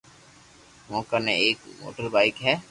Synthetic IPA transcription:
mõːkɐneeːkmo̰ːʈəɾbaikɦɛː

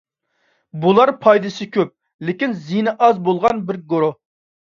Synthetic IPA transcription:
bulˠɑɾpʰɑjd̪ɨsɨkʲʰøp̚ | lɪkʲinzinɨʔɑzbolˠʁɑnbɪɾɡoɾo

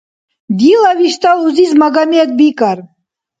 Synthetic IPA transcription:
d̪ilaviʃt̪ʼaluzizmaɡaneɛt̪̚bikʼar

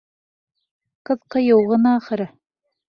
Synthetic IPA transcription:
qɤ̆ðqɤ̆jɤ̆wʁɤ̆nɑːχɤ̆ɾɤ

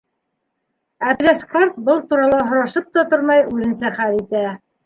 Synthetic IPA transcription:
æplʲæskoɾt̪̚bɤlˠt̪uɾɑlˠɑɦŏɾɑʃɤp̚t̪ɑt̪oɾmɑjʉðɘ̆nsæχæɾit̪æ

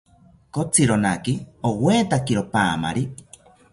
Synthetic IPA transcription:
kot͡sʰiɾonakioweːt̪akiɾopaːma̰ɾi

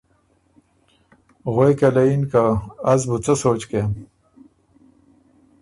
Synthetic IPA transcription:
ɣwejkelɐinkaːzbut͡səsoːt͡ɕkem

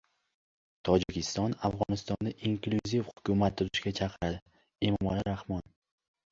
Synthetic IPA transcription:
t̪ʰɒd͡ʒɪkʲʰɪst̪ɒnafʁɒnɪst̪ɒnd̪aʔiŋkluzifhʊ̥kʲʊmat̪̚ːʊɾɪʃɡʲat͡ʃʰɑqʰɨɾad̪ɪɪ | e̞mɒmalɪɾahmɒn

